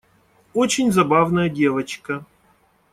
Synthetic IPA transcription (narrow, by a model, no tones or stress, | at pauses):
ot͡ɕɪnʲzɐbavnəjədʲe̞vət͡ɕkə